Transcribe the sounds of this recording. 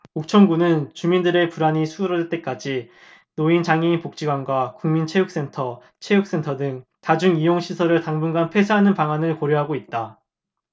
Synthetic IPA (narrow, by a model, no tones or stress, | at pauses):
ok̚t͡ɕʰʌŋɡunɯnt͡ɕumindɯɾe̞puɾaɲisʰuɯɾʌdɯt͈e̞k͈ad͡ʑi | noint͡ɕaŋeinpok̚t͡ɕ͈iɡwanɡwakuŋmint͡ɕʰe̞juk̚s͈e̞ntʰʌ | t͡ɕʰe̞juk̚s͈e̞ntʰʌdɯŋtad͡ʑuŋijoŋɕʰisʰʌɾɯɭtaŋbunɡanpʰwe̞sʰɯɦanɯnpaŋanɯɭkʌɾjoɦaɡoit̚t͈a